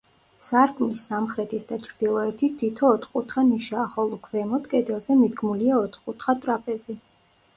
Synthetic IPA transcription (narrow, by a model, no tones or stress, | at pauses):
saɾkʰmlisamχɾɛt̪ʰit̪̚ʰd̪at͡ʃʰɾd̪̥ilˠɔɛt̪ʰit̪ʰːit̪ʰɔːt̪ʰχkʼut̪ʰχaniʃaːχɔlˠɔkʰvɛmɔt̪kʼɛd̪ɛlˠzɛmid̪ɡmuliaɔt̪ʰχkʼut̪ʰχat̪ʼɾapʼɛzi